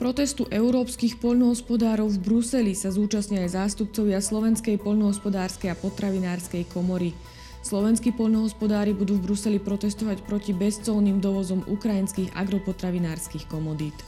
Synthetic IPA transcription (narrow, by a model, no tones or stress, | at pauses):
pɾɔt̪ɛst̪uʔɛʊɾɔːpskixpɔʎnɔɦɔspɔd̪aːɾɔʊvbɾusɛlisazuːt͡ʃastɲiajzaːst̪up̚t͡sɔʋɪaslɔʋɛnskɛjpɔʎnɔɦɔspɔd̪aːɾskɛjapɔt̪ɾaʋinaːɾskɛjkʰɔmɔɾi | slɔʋɛnskipɔʎnɔɦɔspɔd̪aːɾibud̪uːvbɾusɛlipɾɔt̪ɛst̪ɔʋacpɾɔcibɛst͡sɔlniːmd̪ɔʋɔzɔmṵkɾajinskiːɣa̰ɡɾɔpɔt̪ɾaʋinaːɾskixkɔmɔd̪iːt̪